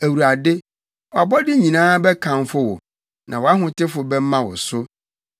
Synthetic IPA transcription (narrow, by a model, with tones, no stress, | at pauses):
æ˨wu˨ɾa˨dɪ˦ | wɔ˨a˨bɔ˦dɪ˦ɲĩ˨nãː˦bɛ˦kʰã˨m˦fʊ˦wɔ̰˨ | nʔã̰˨wɔ˨a˦ɦʊ̃˨tɪ˦fʊ˨bɛ˦mã˦wɔ̰˨sʊ˦